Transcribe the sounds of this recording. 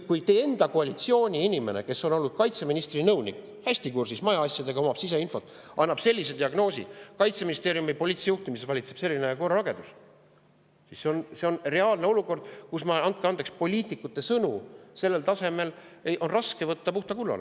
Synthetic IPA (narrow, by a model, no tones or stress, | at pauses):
kujt̪eːe̞nd̪̥ɑkoɑlit̪sio̞ːnʲiinʲime̞ne̞̰ke̞sːo̞no̞lːud̪̥̚kɑjt̪se̞minist̪rinɤwnik | hæsʲt̪ikursismɑjɑɑsʲjɑd̪e̞ɡɑomɑb̥sise̞info̞t̪ːˑʔɑnːɑb̥se̞lːis̬e̞d̪iɑɡno̞ːsʲḭkɑjt̪se̞minist̪e̞ːɾjumejpo̞liːt̪sejuht̪imisevɑlʲit̪se̞b̥se̞lːineko̞rɾɑɑɡe̞nd̪̥us | sisseonse̞o̞nre̞ɑːlne̞o̞luko̞rd̪̥kusmɑɑnt̪̚keɑnd̪ekspo̞lʲiːt̪ikːut̪ːˑe̞sɤnuse̞lːe̞lt̪ɑse̞me̞l | ejʔo̞nrɑske̞vɤt̪ːɑpuht̪ɑkulːɑ̰lḛ